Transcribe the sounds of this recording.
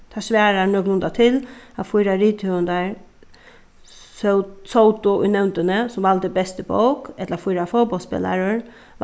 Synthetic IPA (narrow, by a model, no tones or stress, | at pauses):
t̪ʰasʋɛːɾanœːɡnʊnd̪at̪ʰɪlafujɾaɾiːt̪hœənd̪aɹ | ssowt̪ʊʊ̰jnɛwnt̪ənəsʊmʋalt̪əbɛst̪əbo̰wkɛt̪lafujɾafɔpɔlspɪ̰la̰ɾəɹ